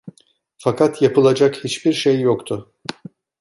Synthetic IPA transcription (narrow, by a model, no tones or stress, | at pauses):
fakʰat̪japɯlˠad͡ʒakhit͡ʃbiɾʃejːokt̪ʰʊ